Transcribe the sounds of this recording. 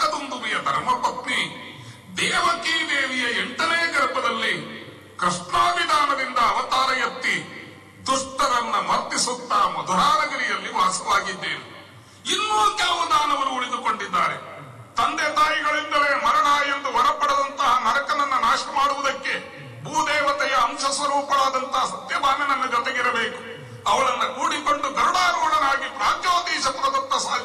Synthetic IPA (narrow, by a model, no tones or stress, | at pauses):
ɐt̪und̪uʋijɐd̪ʱɐɾmɐpɐt̪ni | d̪ɛːʋɐkiːd̪eːʋijɐeɳʈɐnɛjɐɡɐɾpɐd̪ɐlːi | kɾiʂɳaːʋid̪ʱaːnɐd̪ind̪ɐːʋɐt̪aːɾɐjɐt̪ːi | d̪uʂʈɐɾɐnːɐmɐɾt̪ːisut̪ːɐmɐd̪ʱuɾaːɾɐɡɐɾijɐlːiʋaːsɐʋaːɡid̪ːeːne | inːuːt̪jaːʋud̪aːnɐʋɐnuːɭid̪ukoɳɖid̪ːaːɾe | t̪ɐnd̪et̪aːjiɡɐɭind̪ɐlemɐɾɐɳaːjend̪uʋɐɾɐpːɐɽɐd̪ɐnt̪ɐɦɐnɐɾɐkɐnɐnːɐnaːʃʈɐmaːɽuʋud̪ɐkːe̞ | bʱuːd̪ɛːʋɐt̪ɛjɐːmʃɐsʋɐɾuːpɐlaːd̪ɐnt̪ɐɦɐsɐt̪jɐb̪ʱaːnɐnɐnːɐd͡ʒɔt̪eɡiɾɐbeːku̥ | ɐʋɐɭɐnːɐkuːɽiko̞ɳɖud̪ɐɾuɽaːɾuːɽɐnaːɡipɾaːt̪joːd̪iːʃɐp̪ɾɐd̪ɐt̪ːɐsaː